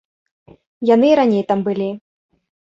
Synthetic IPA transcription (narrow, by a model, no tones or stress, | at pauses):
janɨiɾanʲejt̪ambɨlʲi